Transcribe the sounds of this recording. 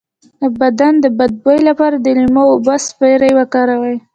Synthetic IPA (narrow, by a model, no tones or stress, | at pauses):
əbad̪and̪əbad̪̚bajlapɑɾad̪əlimawobaspajɾajwakɑɾawaj